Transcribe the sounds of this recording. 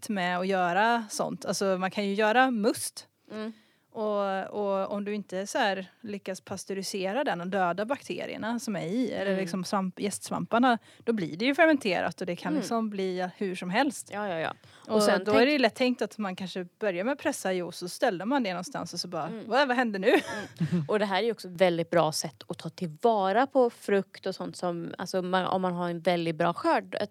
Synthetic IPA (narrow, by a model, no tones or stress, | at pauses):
t̪mɛɔjœːɾasɔ̰nt̪ʰalsɔmankʰanjɵjœːɾamɵst̪ | ʔɔɔɔ̰md̪ɵɪnt̪əsɔhæːɾlʏkːaspʰast̪ʊɾɪseːɾad̪ɛnɔd̪øːd̪abakt̪ʰḛːɾɪ̰ə̰ɳasɔmæɾɪɛ̰lːəɾlɪksɔmsvamjɛst̪sva̰mpaɳa | d̪̥ɔblɪ̰ɖɛjɵfɛɾmɛnt̪ʰeːɾa̰t̪ɔd̪ɛkʰanlɪksɔmbliːhʉʂɔmɦɛlst̪jɑːjɑːjɑ̰ː | ʔɔsɛnd̪ɔhæɖɛjɵlɛt̪ʰːɛŋk̚t̪at̪mankʰanʂəb̥œɾjaɾmɛpʰɾɛsːajuːsɔst̪ɛld̪əmand̪ɛnɔnst̪a̰nsɔsɔbɑːɾvɛvaɦɛnd̪ənʉ̟ːʔɔd̪ɛɦæːɾæɾjɔksɔvɛld̪ɪt̪̚bɾɑːsɛt̪ːɔt̪ʰɑːt̪ʰɪlvɑːɾapʰɔfɾɵkt̪ɔsɔnt̪sɔma̰lsɔːanɔ̰mːanɦaɾɛnvɛld̪ɪɡt̪̚bɾɑːɧœːɖ